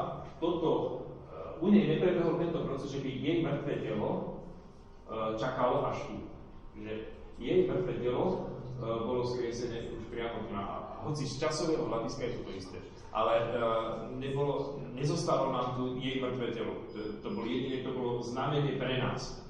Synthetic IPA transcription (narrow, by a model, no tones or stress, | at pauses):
t̪ɔt̪ɔ | uɲɛjɲɛpɾɛbɛɦlɔt̪ɛnt̪ɔpɾɔt͡sɛzʒɛbijɛjmr̩t̪ʋɛːcɛlɔ | t͡ʃakalɔʔaʃt̪u | ʒɛjɛjmr̩t̪ʋɛːcɛlɔ | bɔlɔskɾɪɛsɛɲɛːuʃpɾɪamɔd̪naʔa̰aɦɔt͡sist͡ʃasɔʋɛɦɔɦlaɟiskajɛt̪ɔt̪ɔist̪ɛ̰ː | ʔa̰lɛ | ɲɛbɔlɔɲɛzɔst̪aːʋalɔnaːmt̪ɔjɛjmr̩t̪ʋɛːcɛlɔ̰ | t̪ɔbɔljɛd̪inɛkt̪ɔbɔlɔznaːmɛɲɛpɾɛna̰ːs